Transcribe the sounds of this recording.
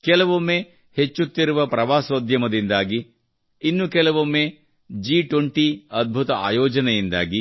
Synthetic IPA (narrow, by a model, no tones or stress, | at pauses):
kɛlɐʋomːeː | het͡ʃːut̪ːiɾuʋɐpɾɐʋaːsʋɐd̪ʱjɐmɐd̪ind̪aːɡiː | nːukɛlɐʋomːeː | d͡ʒiːʈʋoɳʈiɐd̪̚bʱut̪ɐa̰ːjɔːd͡ʒɐnɐjind̪a̰ːɡi